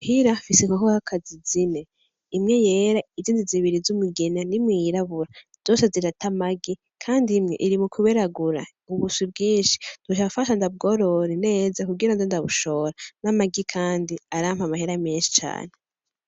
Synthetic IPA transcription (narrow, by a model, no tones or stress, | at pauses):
hiɾafiseŋokohakʰazizine̞ | imŋe̞je̞ːɾaiziːndiziβiɾizumuɡenanimwiːɾaβuɾa | z̥o̞ːse̞ziɾatamaɡi | kʰaːndimŋḛʔiɾimukʰuβeɾaɡuɾa | uβusibɡiːnʃi̥d̥uʃ̬afaʃandab̚ɡo̞ɾo̞ɾene̞ːzakuɡiɾandandaβuʃo̞ːɾanamaɡikʰaːndiaɾamhamaheɾameːnʃi̥t͡ʃa̰ːne